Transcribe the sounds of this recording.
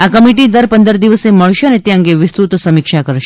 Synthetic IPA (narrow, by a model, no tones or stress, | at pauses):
akəmiʈ̬id̪əɾpənd̪əɾd̪iʋəseməɭʃeənet̪ẽə̃ŋɡeʋɪst̪ɾut̪səmikʃakəɾʃe